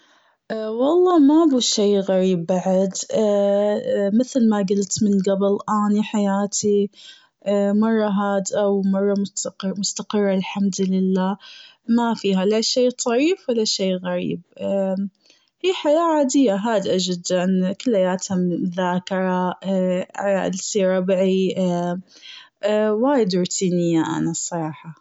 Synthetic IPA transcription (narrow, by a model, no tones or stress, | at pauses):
ʔwɑlˤːɑːmabuʃeːɣaɾiːbːaʕad̪ | mɪθlmaɡɪlt̪mɪnɡabɪlʔaːniħajaːt̪ʰi | mɑrˤːɑɦaːd̪ʔawmɑrˤːɑmʊmʊst̪aqɨrˤːɑlħamd̪lɪlːaː | mafiːɦalaːʃeːt̪ˤɑʕiːfwalːaʃeːɣaɾḭːb̚ | hiːħajaːʕaːd̪ɪjːaɦaːd̪ʔad͡ʒɪd̪ankʊlːhajaːt̪hamðaːkɪɾˤɑ | lsiɾˤɑbʕi | waːjd̪ʊɾt̪ʰiːnɪjːaʔa̰nasˤːɑɾˤɑːħɑ